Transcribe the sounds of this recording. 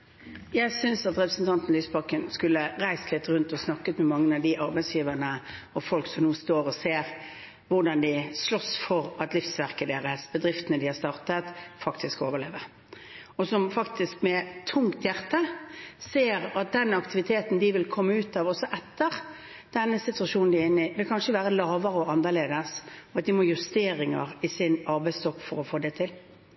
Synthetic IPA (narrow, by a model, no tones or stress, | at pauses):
jæɪsʏnsɑt̪ʁɛpɾəsn̩t̪ʰɑnt̪n̩lyːsbɑkənskʉlːəɾæɪst̪lɪt̪ʁʉnt̪ɔsnɑkːət̪mɛmɑŋːənɑʋd̪ɪʔɑɾbæɪsjiːʋəʁnə | ɔfɔlksɔmnuːst̪oːɾɔseːɾ | ʋʊʁɖɑnd̪ɪslɔsfɔɾɑt̪lɪfsʋæʁkəd̪eːʁəsbəd̪ʁɪft̪ənəd̪ɪhɑɾst̪ɑːʁt̪ət̪fɑkt̪ʰɪskoːʋəʁleːʋəʁ | ɔsɔmfɑkt̪ʰɪskmɛt̪ʰʊŋkt̪jæʁt̪əseːɾɑt̪̚d̪ɛnɑkt̪ɪʋɪt̪ʰeːt̪n̩d̪ɪʋɪlkʰɔmːəʉːt̪ɑːʋɔsɔʔɛt̪ːəʁ | d̪̥ɛnːəsɪt̪ʉɑʂuːnn̩d̪ɪɪnːɪʋɪlkʰɑnʂəʋæːʁəlɑːʋəʁəɔɑnːəʁleːd̪əsɔɑt̪̚d̪ɪmojʉst̪eːɾɪŋə̰ʁɪsɪnɑɾbæɪst̪ɔkːfɔɾɔfoːd̪ɛt̪ʰɪl